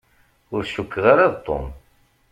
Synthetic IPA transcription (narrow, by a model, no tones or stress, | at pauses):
ʊɾʃukːʁaɾaðt̪ˤːo̰m